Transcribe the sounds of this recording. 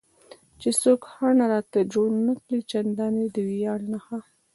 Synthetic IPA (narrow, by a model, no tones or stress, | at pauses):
t͡ʃesokhanaɾɑt̪ad͡ʒoɽnakɽit͡ʃand̪ɑned̪əwijɑnnaxa